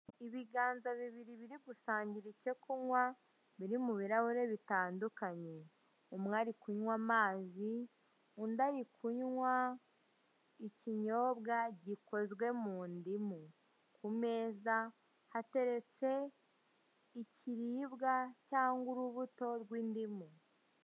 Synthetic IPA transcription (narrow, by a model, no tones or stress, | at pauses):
iβiɡaːnzaβiβiɾiβiɾiɡusaːɲɟiɾice̞kunwa | βiɾimuβiɾaβuɾe̞βitaːndukaɲe | omŋaːɾikuɲwamaːzi | undaɾikʰuɲwa | iciɲo̞ːbɡaɟiko̞zɡwe̞muːndimu | kume̞ːza | hate̞ɾe̞t͡se̞ | icʰiɾiːβɡacaːŋɡuɾuβuto̞ɾɡwiːndimu